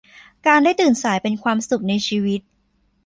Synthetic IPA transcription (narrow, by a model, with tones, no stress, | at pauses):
kaː˧ndaː˥˩jt̪ɯː˨˩nsaː˩˦jpe˧nkʰwaː˧msu˨˩k̚na˧jt͡ɕʰiː˧wi˦˥t̪̚